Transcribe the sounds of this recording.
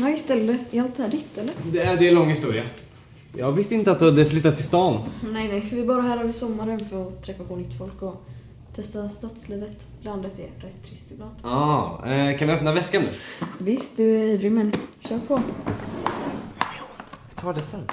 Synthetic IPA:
najst̪ɛlːəɪalt̪d̪ɛhæːɖɪt̪ːɛlːəɾd̪ɛæɖɛlɔŋːhɪst̪uːɾɪa | jɑ̰ːɡvɪst̪ɪnt̪əat̪d̪had̪əflʏt̪ːat̪ʰːɪlst̪ɑːnnɛjnɛɪskavɪbɑːɾaɦæːɾœvəsɔmːaɾənfœɾɔt̪ʰɾɛfːapʰɔnʏt̪ːfɔlkɔ | t̪ʰɛst̪ast̪at̪sliːvət̪ | b̥land̪ət̪ɛɾɛt̪ʰːɾɪst̪ɪbland̪̥ɑ | kʰanvɪœpnavɛskanʉ̟̰ːvɪst̪̚d̪ɵæɾiːvɾɪmɛnɕœːɾpʰɔ | t̪ʰɑːɖɛsɛnː

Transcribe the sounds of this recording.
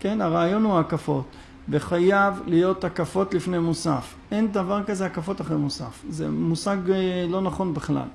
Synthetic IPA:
ke̞naʁaːjo̞nhuakafo̞t̪ | veχajavlijo̞t̪akafo̞t̪lifnejmusaf | ʔe̞nd̪avaʁkazeakafo̞t̪aχʁejmusa̰fzḛmusaɡlo̞naχo̞nbiχla̰l

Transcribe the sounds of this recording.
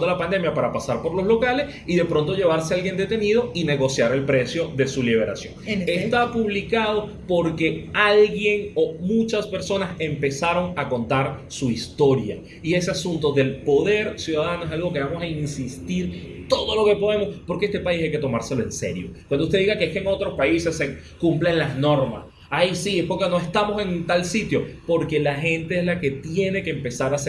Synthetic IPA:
d̪olapand̪e̞mjapaɾapasaɾpo̞ɾlo̞slo̞kale̞s | iðe̞pɾo̞nt̪o̞ʝe̞β̞aɾse̞alɣje̞nd̪e̞t̪e̞nið̞o̞ine̞ɣo̞sjaɾe̞lpɾe̞sjo̞ðe̞suliβ̞e̞ɾa̰sjo̞̰ŋest̪apuβlikaðo̞ | po̞ɾke̞alɣje̞ŋo̞mut͡ʃaspe̞ɾso̞nase̞mpe̞saɾo̞ŋako̞nt̪aɾsuist̪o̞ɾja̰ | ie̞se̞asunt̪oðe̞lpo̞ðe̞ɾsjuðaðanoes̬alɣo̞keβamo̞sainsist̪iɾt̪o̞ðo̞lo̞ke̞po̞ðe̞mo̞spo̞ɾkeest̪e̞paisajke̞t̪o̞maɾse̞lo̞e̞nse̞̰ɾjo̞̰kwand̪oust̪e̞ðiɣakeeskeŋo̞t̪ɾo̞spaise̞sːe | kumplenlazno̞ɾma̰s | ajsiepokeno̞e̞st̪amo̞se̞nt̪alsit̪jo̞po̞ɾke̞laxe̞nt̪e̞ezlake̞t̪je̞ne̞keːmpe̞saɾase

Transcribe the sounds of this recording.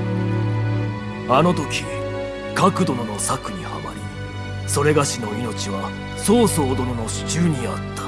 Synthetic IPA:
ano̞t̪o̞kʲi | kakɯ̟d̪o̞nono̞sakɯ̟ɲ̟iha̰ma̰ɾʲḭ | so̞ɾe̞ɡaɕino̞ino̞t͡ɕiβa | so̞ːso̞ːd̪o̞no̞no̞ɕi̥t͡ɕɨːɲ̟ia̰t̪ːḁ

